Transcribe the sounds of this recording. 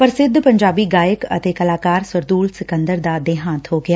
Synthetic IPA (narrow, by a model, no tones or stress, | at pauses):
pəɐɾsɪd̪ʱːpɐ̃ɲd͡ʒaːbiɡaːjəkɐ̰t̪eːkɐlaːkaːɾsəɾd̪uːlsɪkə̃nd̪əɾd̪ad̪eːɦãːt̪ɦoːɡɪjaː